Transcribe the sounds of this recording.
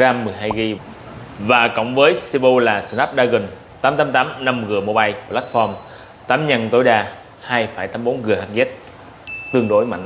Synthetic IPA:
aː˧mːɨ˨˩əjɦaː˧jɣi˧ | vaː˨˩kɔ̰˧˨wŋ͡mvəː˨˦jsi˧ɓo˧laː˨˩sə˧˩nlaː˦˥p̚ɗaː˧ɣɨ̈˨˩ŋ | t̪aː˨˦mt̪aː˨˦mt̪aː˨˦mna˧mɣɨ˨˩əmo˧ɓaː˧jla˦˥t̚fɔ˧m | t̪aː˨˦mɲa˧nt̪o˨˦jɗaː˧ | haː˧jfaː˧˩jt̪aː˨˦mɓo˨˦nɣɨ˨˩əha˨˥t̚ɣɛ˦˥t̚ | t̪ɨ˧əŋɗo˨˦jma̰˧˨ŋ

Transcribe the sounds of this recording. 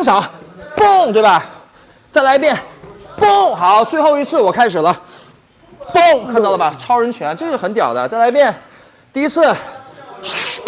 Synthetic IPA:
ɤ˥ŋɕ̬jɑ˨˧˥pʊ˥˩ŋt̪we˥˩bɐa˩ | t͡sa˥˩ɪla˧˥ɪpjɛ˥˩npʊ˥˩ŋxɑ˧˥t͡swe˥˧ɪxo˥˧ʊi˧˥t͡sʰɹ̩˥˩wɔ˨˩kʰa˥ɪʂ̬ɻ̩˨˩lə˦ | pʊ˥˩ŋkʰa˥˧nt̪ɑ˥˩lə˩bɐ˨˩ʈ͡ʂʰɑ˥ʊɻə˧˥nt͡ɕʰɥɛ˧˥n˥ʈ͡ʂɤ˥˧ʂɻ̩˥˩xə˧˥nt̪jɑ˨˩ʊd̪ə˦t͡sa˥˩ɪla˧˥ɪp̬jɛ˥˩n | t̪i˥˧i˥t͡sʰɹ̩˥˩

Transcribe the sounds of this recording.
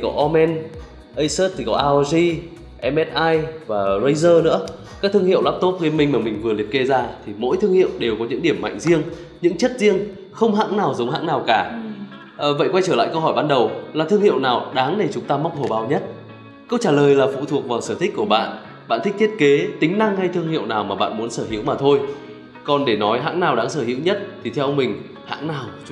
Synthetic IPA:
t̪ʰi˨˩kɔ˨˦ʔɔ˧mɛ˧n | ʔə˧jsəː˦˥t̚t̪ʰi˨˩kɔ˨˦ʔaː˧zi˧ | ʔɛ˧mʔɛ˦˥t̚ʔaː˧jvaː˨˩zə˧jzəː˧nɨ̰˧˥ə | ka˦˥k̚t̪ɨ˧əŋhḭ˧˨wlaː˦˥p̚t̪o˦˥p̚ɣe˧nmï˧ŋ̟maː˨˩mï˨˩ŋ̟vɨ˨˩əli˨˩ət̚ke˧zaː˧t̪ʰi˨˩mo̰˧˥jt̪ʰɨ˧əŋhḭ˧˨əwɗe˨˩wkɔ˨˦ɲɨ̰˧˥ŋɗi˧˩əmːa̰˧˨jŋ̟zi˧əŋ | ɲɨ̰˧˥ŋt͡ɕə˦˥t̚zi˧əŋ | xə˧wŋ͡mɦa̰˧˥ŋnaː˨˩wzə˨˦wŋ͡mha̰˧˥ŋnaː˨˩wkaː˧˩ | ʔvə̰˧˨jkwa˧jt͡ɕəː˧˩la̰ː˧˨jkə˧wɦɔː˧˩jɓaː˧nɗə˨˩wlaː˨˩t̪ʰɨ˧əŋhḭ˧˨əwnaː˨˩wɗaː˨˦ŋɗe˧˩t͡ɕʊ˨˦ŋ͡mt̪aː˧ma˦˥wk͡p̚h̪ʰo˨˩ɓaː˨˧˦wɲə˦˥t̚ | kə˧wt͡ɕaː˧˩ləː˨˩jlaː˨˩fṵ˧˨t̪ʰu˨˩ək̚vaː˨˩wsəː˧˩t̪ʰï˦˥k̟̚ku˧˩əɓa̰ː˧˨n | ɓa̰ː˧˨nt̪ʰï˦˥t̪ʰt̚ke˨˦t̪ï˨˦ŋ̟na˧ŋha˧jt̪ʰɨ˧əŋhḭ˧˨əwnaː˨˩wmaː˨˩ɓa̰ː˧˨nmu˨˦ənsəː˧˩ɦḭ˨˧˦əwmaː˨˩t̪ʰo˧j | kɔ˨˩nɗe˧˩nɔ˨˦jɦa̰ː˧˥ŋnaː˨˩wɗaː˨˦ŋsəː˧˩hḭ˧˥əwɲə˦˥t̚t̪ʰi˨˩t̪ʰɛ˧mï˨˩ŋ̟ | ha̰ː˧˥ŋnaː˨˩w

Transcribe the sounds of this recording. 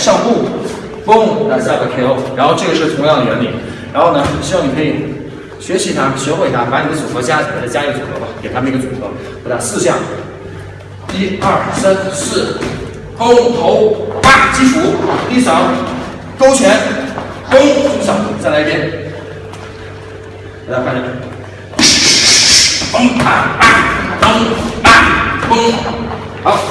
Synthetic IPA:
ʂɑ˥˧ŋpu˥˩ | ko˥˨˩la˧˥spə˨˩kʰjo˧˥ʊɻa˧˥nxo˥˧ʊʈ͡ʂɤ˥˩ɡə˩ʂɻ̩˥˩t̪ʰʊ˧˥ŋjɑ˥˩ŋd̪ə˨jɥɛ̰˧˥nlḭ˧˥n | ɻa˧˥nxo˥˩ʊnə˩ɕwɑ˥˩ŋni˨˩kʰi˨˩ | ɕɥɛ˧˥ɕi˧˥t̪ʰa˥ɕxwe˨˩ɪt̪ʰa˥pa˧˥ni˧˩d̪ə˦t͡su˨˩xɤ˧˥t͡ɕja˥i˨˩a˧˥də˧˩t͡ɕja˥˧i˧˩t͡sṵ˨˩xɤ̰˧˥ba˧ke˨ɪt̪ʰa˥mə˧n˧˥ɡə˧t͡su˨˩xɤ˧˥ | ɔ˧˩d̪a˧˩sɹ̩˥˧ɕjɑ˥˩ŋ | t̪i˥ɐ˥˩sa˥nsɹ̩˥˩ | ko˥ʊt̪ʰo˧˥ʊpa˥˩t͡ɕi˥fu˥t̪i˥˩ʂɑ˧˥ʊ | ko˥ʊt͡ɕʰɥɛ˧˥n | ko˥ʊu˧˥ɕɑ˨˧˩ŋ˧˩t͡sa˥˧˩la˧˥˧jɛ˥˩n | e˨˩la˧˥kʰa˥˩nɛ˧˩ | fə˥ŋpʰa˨˩na˥˩nko˥ŋa˥˩nko˥ŋ | a˧˥

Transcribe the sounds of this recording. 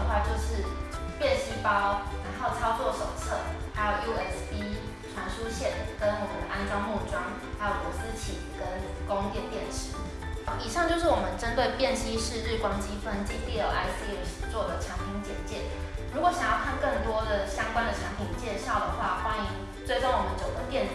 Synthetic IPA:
ə˩xwa˥˧t͡ɕjo˥˧ʊʂɻ̩˥˩pjɛ˥˨˩ɕi˥pɑ˥ʊɻa˧˥nxo˥˩ʊt͡sʰɑ˥ʊt͡swɔ˥˨˩ʂo˨˩ʊt͡sʰɤ˥˩ha˧˥ɪjo˨˩ʊju˥ɛ˦spi˥ | ʈ͡ʂʰwa˧˥nʂu˥ɕjɛ˥˨nkə˦nwɔ˨˩mə˦nʔa˥nt͡sɑ˥˧ʊmu˥˩ʈ͡ʂwɑ˥ŋ | a˧˥ɪjo˨˩ku˧˥s̩˦t͡ɕʰḭ˨˩kə˦n | ko˥˦ŋt̪jɛ˥˨np̪jɛ˥˨˩nʂ̩ʰ˧˥˦ | i˨˩ʂɑ˥˧ŋt͡ɕjo˥˧ʊʂ̬ɻ̩˥˩wɔ˨˩mə˨˦nʈ͡ʂə˦˥nt̪we˥˧ɪpjɛ˥˨˩nɕi˥ʂɻ̩˥˧ɻɻ̩˥˩kwɑ˥ŋt͡ɕi˥fə˧˩nt͡ɕi˥ŋt̪i˥˩jo˨˩a˧˥ɪsi˥u˥˨˩st͡swɔ˥˩d̪ə˩t͡ɕʰjɑ˧˥ŋpʰi˧˥ŋt͡ɕjɛ˨˩nt͡ɕjɛ˥˩ɻu˧˥kwɔ˨˦ɕjɑ˨˩ŋjɑ˥˧ʊkʰa˥˧nkə˥˩nt̪wɔ˥d̪ə˨ɕjɑ˥ŋkwa˥nd̪ə˨t͡ɕʰjɑ˧˥ŋpʰi˨˥˦ŋt͡ɕjɛ˥˧ɕjɑ˥˩ʊd̪ə˩xwa˥˩xwa˥ni˧˥˧ŋ | t͡swe˥˧ɪʈ͡ʂo˥˩ŋwɔ˨˩mə˦nt͡ɕjo˨ʊd̪ə˧˦pjɛ˥˨n

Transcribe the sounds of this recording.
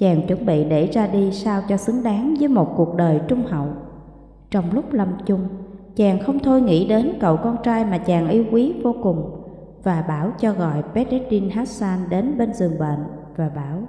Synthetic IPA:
t͡ɕaː˨˩ŋt͡ɕwə˧˩nɓḭ˧˨ɗe˧˩zaː˧ɗi˧saː˧wt͡ɕɔ˧sɨ˨˦ŋɗaː˨˦ŋvəː˨˦jmo˨˩t̚ku˨˩ək̚ɗəː˨˩jt͡ɕʊ˧ŋ͡mhə̰˧˨w | t͡ɕɔ˧wŋ͡mlʊ˦˥k͡p̚lə˧mt͡ɕʊ˧ŋ͡mt͡ɕaː˨˩ŋxə˧wŋ͡mt̪ʰo˧jŋḭ˧˥ɗe˨˦nkə̰˧˨wkɔ˧nt͡ɕaː˧jmaː˨˩t͡ɕaː˨˩ŋʔi˨˧˦wkwi˨˦vo˧kʊ˨˩ŋ͡m | vaː˨˩ɓaː˧˩wt͡ɕɔ˧ɣɔ̰˧˨jpɛ˨˦˥t̚ʔɛ˦˥t̚ɗi˧nhaː˦˥t̚saː˧nɗe˨˦nɓe˧nzɨ˨˩əŋɓḛ˧˨n | vaː˨˩ɓaː˧˩w

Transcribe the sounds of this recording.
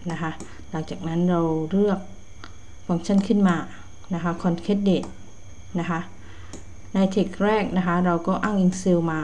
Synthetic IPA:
na˦˥kʰa˦˥ | laː˨˩ŋt͡ɕaː˨˩k̚na˦˥nɾa˧wɾɯ˥˩ək̚ | fa˧ŋt͡ɕʰa˥˩˨nkʰɯ˥˩nmaː˧ | na˦˥kʰa˦˥kʰːɔ˧nkʰe˦˥t̪̚deː˨˩t̪̚ | na˦˥kʰa˦˥ | na˧jt̪ʰe˨˩k̚ɾɛː˥˩k̚na˦˥kʰa˦˥ɾa˧wkɔː˥˩ʔaː˥˩ŋʔi˧ŋsi˧wmaː˧

